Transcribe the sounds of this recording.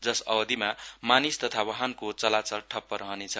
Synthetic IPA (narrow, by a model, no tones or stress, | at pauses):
d͡zʌsʌbʌd̪imamanist̪ʌt̪ʰawʌɦankot͡sʌlat͡sʌlʈʰʌpːʌɾʌɦʌnet͡sʰʌ